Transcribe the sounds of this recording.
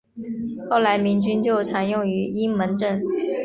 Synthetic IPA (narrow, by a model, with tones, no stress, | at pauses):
xo˥˩ʊla˧˥ɪmi˧˥ŋt͡ɕy˥nt͡ɕjo˥˩ʊʈ͡ʂʰa˧˥njʊ˥˩ŋy˧˥i˥ŋmə˧˥nʈ͡ʂə˥˩n